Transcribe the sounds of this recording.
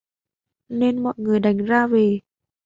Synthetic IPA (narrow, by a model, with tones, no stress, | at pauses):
ne˧nmɔ̰˧˨jŋɨ˨˩əjɗa˨˩jŋ̟zaː˧ve˨˩